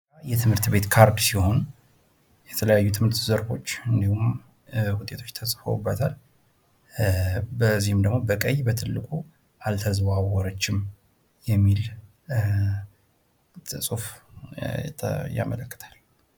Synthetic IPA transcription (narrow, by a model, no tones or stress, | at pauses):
ajɛt̪ʰɨmhɨɾt̪be̞t̪kʰaɾd̪siho̞nu | jɛt̪ʰələjajːut̪ʰɨmhɨɾt̪zəɾbo̞t͡ʃːɨnd̪ihum | hʊt̪ʼe̞t̪ʰo̞t͡ʃːt̪ʰəsʼfə̰wbːət̪ʰal | bəzːihɨmd̪əɡmo̞bəkʼəjbət̪ʰɨlːɨkʼu | ʔalt̪ʰəzβawɔɾət͡ʃːɪm | jɛmːil | t̪ʰɨsʼuf | ja̰mələkːə̥t̪ʰḁl